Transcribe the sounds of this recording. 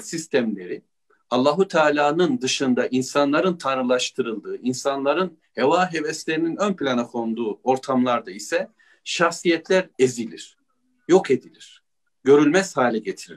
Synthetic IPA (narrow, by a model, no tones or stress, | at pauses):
sist̪ʰæmlʲe̞ɾi | alˠːaːɦut̪ʰaːlʲaːnɯnd̪ɯʃɯnd̪aʔinsanlˠaɾɯnt̪ʰanɾɯlˠaʃt̪ʰɯɾɯlˠd̪ɯːinsanlˠaɾɯn | he̞vaːɦe̞vɛst̪lʲe̞ɾininønpʰilʲanakʰo̞nd̪uːo̞ɾt̪ʰamlˠaɾd̪aisɛ | ʃaxsijɛt̪ʰlʲæɾezilʲiɾ̝̥ | jo̞ke̞d̪ilʲiɾ̥ | ɟø̞ɾylʲmɛzhaːlʲɛɟet̪ʰiɾḭ